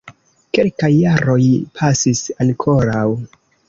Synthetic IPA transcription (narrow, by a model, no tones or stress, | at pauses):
ke̞lkajːaɾo̞jpʰasisaŋkʰo̞ɾaw